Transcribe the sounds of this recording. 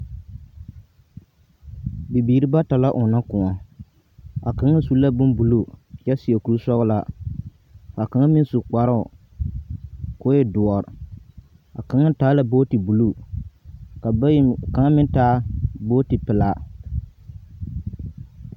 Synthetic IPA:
bi˨biː˨ɾi˦ba˦ta˨la˦ʔʊ˨na˦kʊ˨ŋa˨ | a˨ka˨ŋa˦su˦la˦bʊ˦mbu˨lu˦jɛ˦si˨a˨ku˨ɾu˦sɔ˦ɣla˦ | ka˨ka˨ŋa˦mɪ˦n˦su˨k͡pa˨ɾʊ˦˨ | kʊ˦jɛ˦dʊ˨ɔ˨ɾ | a˨ka˨ŋa˦taː˦la˦boː˦ti˨bu˨lu˦ | ka˨˦ka˨ŋa˦mɪ˦taː˦bo˦ti˨pɪ˨la˦

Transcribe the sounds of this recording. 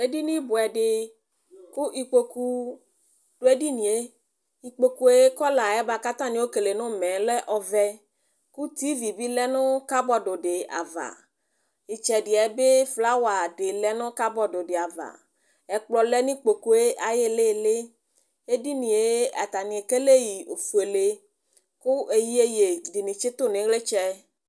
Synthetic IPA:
e˦di˦nĩ˦bʊ˨ɛ˨ɖɪ˨ | ku˦ʔi˨k͡po˦ku˦ | ɖ̥o˦e˦di˦nĩ˨e˦ | i˨k͡po˨ku˦e˦kɔ˦la˨ɛ˦ba˨ka˦t̪ã˦nĩ˦wo˦ke˨le˨nʊ̃˦mɛ̃˨lɛ˦ʔɔ˨vɛ˦ | ku˦t̪i˦vi˨bi˦lɛ˦nʊ̃˦ka˦bɔ˦ɖo˨ɖe˨a̰˨va̰˨ | i˨t͡ʃɛ˨ɖi˨ɛ˨˦be˦fla˦wa˨ɖe˨lɛ˦nʊ̃˦ka˦bɔ˦ɖo˨ɖe˨a˨va̰˨ | ɛ˨k͡plɔ˨lɛ˦nĩ˦k͡po˨ko˨e˦ʔa˨je˦le˦˨le˦ | e˦ɖi˦nĩ˨e˦a˨t̪a˨nĩ˨e˨ke˦le˦ji˨o˨fu˨e˨le˦ | ku˦e˨ji˦e˦je˨ɖi˨nĩ˨t͡ʃe˦t̪o˦nẽ˨˦ɣle˦t͡ʃɛ˦

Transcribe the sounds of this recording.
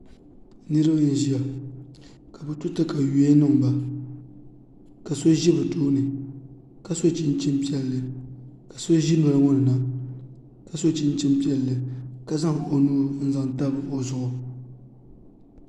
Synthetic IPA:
nɨ˦ɾɨ˦bɲɪ˨n˨ʒi˨a˨ | ka˨bɨ˦tʊ˦tɨ˦ka˨ju˨˦e˦nɨ˦˨ŋ˨ba˨ | ka˨so˦ʒi˦bɨ˨toː˦nɨ˨ | ka˨so˦t͡ʃɪ˦nt͡ʃɪ˦mpi˦ɛ˨lːɨ˨ka˨so˦ʒi˦ma˨la˨ŋɔ˦nɨ˨na˨ | ka˨so˦t͡ʃɪ˦nt͡ʃɪ˦mpi˦ɛ˦lːɨ˨ka˦za˦ŋ˨o˨nuː˦n̩˦za˨ŋ˨ta˦bɨ˨ʔo˨zʊ˨ʔʊ˨

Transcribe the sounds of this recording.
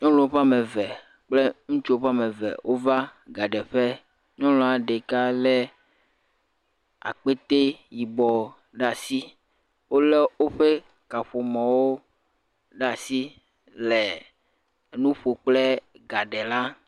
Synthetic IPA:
ɲɔ̃˦lɔ̃˨o˦ɸa˦me˨vɛ˨ | k͡ple˦ŋũ˦t͡ʃo˦o˦ɸa˦me˨vɛ̰˨wʔo˦va˦ɡa˨ɖɛ˨ɸe˦ | ɲɔ̃˦lɔ̃˨a˨ɖe˨ka˦lɛ˦ | a̰˨k͡pe˦t̪e˦ji˨bɔ˨ | ɖa˦˨si˦ | wo˦le˦wo˦ɸe˦ | ka˨ɸo˨mɔ̃˨wo˦ | ɖa˦˨si˦ | lɛ˨ | nũ˦ɸo˨k͡ple˦ɡa˨ɖɛ˨la˦

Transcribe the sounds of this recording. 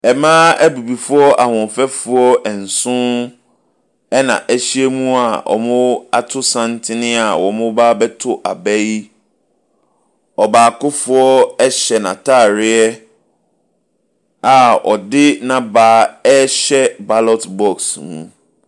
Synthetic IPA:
ɛ˨mãː˦æ˦bu˨bi˨fʊ˦ɔ˦ʔa˨hʊ̃˨fɛ˦fʊ˦ɔ˦ɛ˨n̩˨sʊ̃˦ | ɛ˦nã̰˨ʔæ˨ɕi˦ɛ˦mũ˦a˨ʔɔ̰˨mʊ̃˦a˦tʰʊ˦sã˦ntʰɪ˦nɪ̃˦a˨wɔ˨mʊ̃˦baː˦bɛ˦tʰʊ˦ʔa˨bɛ˦ji˦ | ɔ˨baː˨kʊ˦fʊ˨ɔ˦ɛ˦ɕɛ˨nã̰˨tʰa˦˨ɾɪ˦ɛ˦ | a˨ɔ̰˨dɪ˦nã˨baː˨˦ɛ˦ɕɛ˦ba˦lɔ˦tbɔ˦ksmṵ̃˦

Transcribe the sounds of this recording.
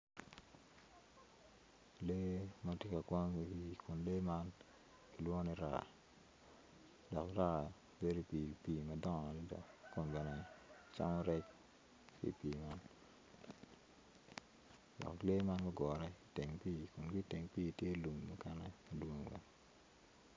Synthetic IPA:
le˦ma˦tje˦ka˨kwɔ˦ŋi˨i˦kʰʊ˨nle˦ma˦n | ki˨lwɔ˦ni˦ɾa̰˨ | dɔ˨kra˦ | be˦ɾo˦pi˨pi˨mɐ˨dɔ˦ŋ˨a˨li˦dɔ̰˨kʊ˨nbɛ˨nɛ˨t͡ʃa̰˦ŋɔ˦ɾɛ˦k̚ | kḭ˦piː˨ma˦n | dɔ̰˨kle˦ma˦nma˦ɡɔ˨ɾɛ˦ite˨ŋpiː˦kʊ˨nɡi˦te˨ŋpiː˦˨tje˦lu˨mːu˦kɛ˦nɛ˦ma˨dwo˦ŋwɛ̰˦

